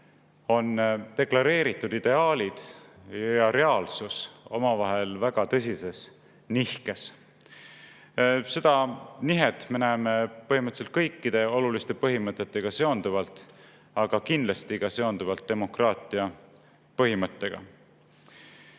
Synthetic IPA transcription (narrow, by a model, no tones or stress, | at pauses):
o̞nt̪e̞klɑɾe̞ːɾit̪ːˑud̪̥id̪̥e̞ɑːlʲid̪̥jɑɾe̞ɑːlsuso̞mɑvɑɦe̞lvæɡ̥ɑt̪ɤs̬ʲise̞s | nihke̞s | se̞d̪̥ɑniɦet̪me̞næːme̞pɤɦimɤt̪se̞lt̪̚kɤjkːid̪̥e̞o̞lulist̪e̞pɤɦimɤt̪ːˑet̪ːe̞ɡ̥ɑse̞o̞nd̪̥uvɑlt̪ˑ | ɑɡ̥ɑkind̪lɑst̪iɡ̥ɑse̞o̞nd̪uvɑlt̪̚d̪e̞mo̞krɑːt̪ˑiɑ | pɤɦimɤt̪ˑːe̞ɡ̥ɑ̰